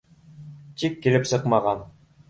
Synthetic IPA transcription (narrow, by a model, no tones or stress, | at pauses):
t̪ikːilɘpsɤqmɑʁɑn